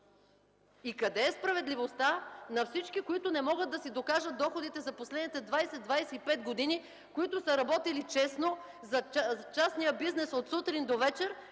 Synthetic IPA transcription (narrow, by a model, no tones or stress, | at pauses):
ikɐd̪ɛːspɾɐvɛd̪livost̪anɐfsit͡ʃkikoit̪ʊnɛmɔɡət̪̚d̪ɐsid̪okaʒət̪̚d̪ɔxod̪it̪ɛzɐposlɛd̪nit̪ɛd̪vajsɛd̪vajsɛipɛt̪ɡod̪ini | koit̪ʊsɐɾɐbɔt̪ilit͡ʃɛsno | zɐt͡ʃasnijəbiznɛsot̪sut̪ɾind̪ovɛt͡ʃɛɾ